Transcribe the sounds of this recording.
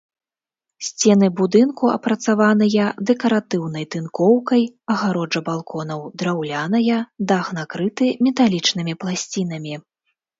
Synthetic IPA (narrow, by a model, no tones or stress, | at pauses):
sʲt͡sʲɛn̪ɨbud̪ɨnkuɐ̰pɾɐt̪savanɨjɐd̪ɛkɐɾat̪ɨwnɐjt̪ɨnkɔwkɐjɐɣaɾɔʐɐbalˠkɔnɐwd̪ɾawlʲanɐjɐd̪aɣnakɾɨt̪ɨmʲɛt̪alʲit͡ʂnɨmʲiplˠasʲt͡sʲin̪ɐmʲi